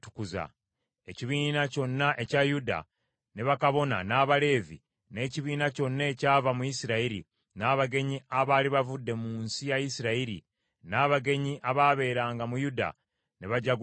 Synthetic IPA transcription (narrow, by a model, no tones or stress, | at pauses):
tu̥kuza̰ | e̞ciβiːnaco̞nːaʔe̞cajuda̰ | neβakaβo̞na̰naːβale̞ːvḭ | ne̞ːciβiːnaco̞nːaecaːvamuisiɾaiɾḭ | naːβaɡe̞ɲiaβaːliβavudːe̞muːnsijajisiɾaiɾḭ | naːβaɡe̞ɲiʔaβaβe̞ːɾaːŋɡamujuda̰ | neβaɟaɡ